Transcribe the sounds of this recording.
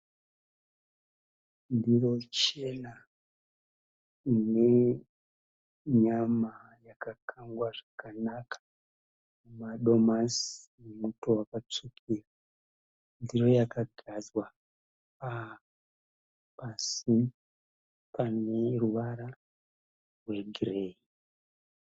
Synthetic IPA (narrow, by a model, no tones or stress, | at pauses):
ndiro̞t͡ʃe̞na | ine̞ | ɲama | jakakʰaŋɡwaʐakanakʰḁ | mumaɗo̞masnemuto̞wakat͡ʂukʰira | ndiro̞jakaɡʱazwa | pa | pasi | pane̞ruʋaɾa | rwe̞ɡʱirei